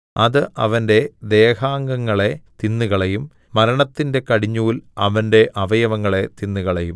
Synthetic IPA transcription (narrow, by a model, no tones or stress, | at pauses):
ɐðɨʔɐ̰ʋɐnde̞d̪e̞ːhaːŋɡɐŋːɐɭe̞t̪inːuɣɐɭejumː | ɐɾɐɳɐt̪ːinde̞kɐɽiɲːuːlɐʋɐnde̞ʔɐʋɐjɐʋɐŋːɐɭe̞t̪inːuɣɐɭejum